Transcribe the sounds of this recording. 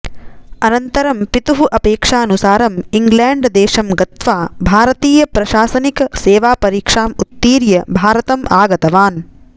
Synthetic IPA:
ɐnɐnt̪ɐɾɐmpit̪uɦuʔɐpeːkʂaːɐnusaːɾɐmiŋɡlaːɳɖd̪ɛːʃɐmɡɐt̪ʋaːbʱaːɾɐt̪iːjɐpɾɐʃaːsɐnikɐseːʋaːpɐɾiːkʂaːmut̪ːiːɾjɐbʱaːɾɐt̪ɐmʔaːɡɐt̪ɐʋaːn

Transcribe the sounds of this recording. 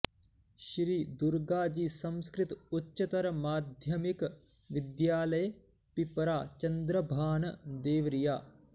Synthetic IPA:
ʃɾiːd̪uɾɡaːd͡ʒiːsɐ̃mskɾit̪utːʃɐt̪ɐɾɐmaːd̪ʱjɐmik | ʋid̪jaːlɐj | pipɾaːt͡ʃɐnd̪ɾɐbʱaːnɐd̪eːʋɾijaː

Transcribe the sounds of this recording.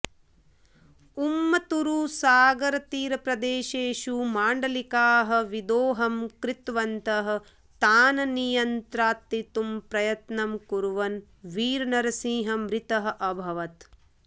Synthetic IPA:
umːɐt̪uɾuːsaːɡɐɾɐt̪iːɾɐpɾɐd̪eːʃeːʃumaːɳɖɐlikaːɦɐ̆ʋid̪oːɦɐmkɾit̪ʋɐnt̪ɐɦɐ̆ | t̪aːnɐnijɐnt̪ɾaːt̪ːit̪umpɾɐjɐt̪nɐmkuɾuʋɐn | ʋiːɾɐnɐɾɐsĩːɦɐ̆mɾit̪ɐɦɐ̆ʔɐbʱɐʋɐt̪

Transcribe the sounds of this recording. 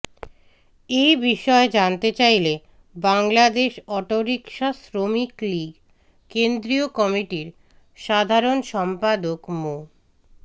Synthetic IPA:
ejbiʃɔed͡ʑant̪et͡ɕajle | baŋlad̪eʃɔʈoɾikʃasɾomikliɡ | kend̪ɾiokɔmiʈiɾ | ʃad̪ʱaɾonʃɔmpad̪okmo

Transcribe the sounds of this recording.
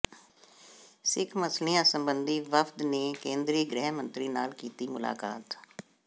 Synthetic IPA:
sɪkʰməsliːãːsəmbənd̪iːʋəfʰd̪neːkẽːnd̪ɾiːɡɾɛɦmənt̪ɾiːnaːlkiːt̪iːmʊla̰ːka̰ːt̪

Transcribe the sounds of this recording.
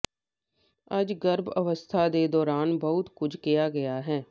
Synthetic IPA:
əd͡ʒɡəɾbəʋəst̪ʰaːd̪eːd̪ɔːɾaːnbəʊt̪kʊd͡ʒʱkijaːɡəjaːɦɛː

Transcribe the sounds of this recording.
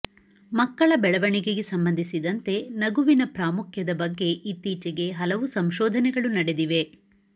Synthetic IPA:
mɐkːɐɭɐbɛɭɐʋɐɳiɡeɡe̞sɐmbɐnd̪ʱisid̪ɐnt̪e̞nɐɡuʋinɐpɾaːmukʰjɐd̪ɐbɐɡːe̞ʔit̪ːiːt͡ʃeɡe̞ɦɐlɐʋusɐmʃɔːd̪ʱɐnɛɡɐɭunɐɽed̪iʋe̞

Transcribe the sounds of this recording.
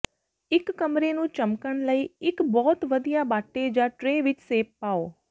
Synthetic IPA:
ɪkːəmɾenũːt͡ʃəmkəɳləiːɪkbɔːt̪ʋəd̪ijaːbaːʈːed͡ʒãːʈɾeːʋɪt͡ʃseːpaːoː

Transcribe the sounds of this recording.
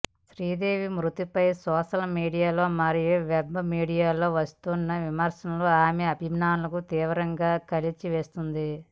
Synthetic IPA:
ʃɾiːd̪e̞ːʋimɾut̪ipɐjsɔːʃɐlmiːɽijaːlo̞ːmɐɾijuʋebmiːɽijaːlo̞ːʋɐst̪unːɐʋimɐɾsɐnɐluaːmeɐbʱimaːnulɐkut̪iːʋɐɾɐŋɡaːkɐlit͡ʃiʋeːst̪und̪i

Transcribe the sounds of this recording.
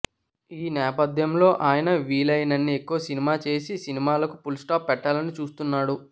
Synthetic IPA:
iːnɛːpɐd̪ʱjɐmlo̞ːʔaːjɐnɐʋiːlɐjnɐnːiekːuʋɐsinimaːt͡ʃe̞ːsisinimaːlɐkupulsʈaːpːɛʈːaːlɐnit͡ʃuːst̪unːaːɽu

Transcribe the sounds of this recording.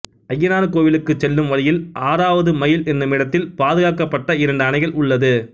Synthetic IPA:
ɐjːɐnaːnɯkoːʋɪlɯkːɯt͡ʃːɛlːɯmʋɐɻɪjɪlʔaːɾaːʋɐðɯmɐjɪlɛnːɯmɪɽɐt̪ːɪlpaːðɯɣaːkɐpːɐʈːɐɪɾɐɳɖɯɐnɐɪɣɐɭʊɭːɐðɯ

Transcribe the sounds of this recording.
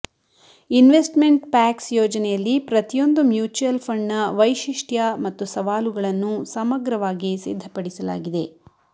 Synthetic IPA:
inʋesʈme̞ɳʈpaːksjoːd͡ʒɐnɛjɐlːipɾɐt̪ijo̞nd̪umjuːt͡ʃujɐlpʰɐɳːɐʋɐjʃiʂʈjɐmɐt̪ːusɐʋaːluɡɐɭɐnːusɐmɐɡɾɐʋaːɡisḭd̪ʱːɐpɐɽisɐla̰ːɡid̪e̞

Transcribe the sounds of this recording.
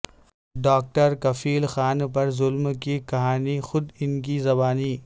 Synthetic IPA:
ɖaːk̚ʈəɾkɐfʰiːlxaːnpɐɾzʊlmkikɐɦaːnixʊd̪ɪnk̬izɐbaːniː

